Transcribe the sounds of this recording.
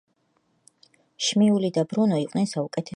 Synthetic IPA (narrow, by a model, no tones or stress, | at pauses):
ʃmiulid̪abɾunɔiqʼnɛnsaukʼɛt̪ʰɛ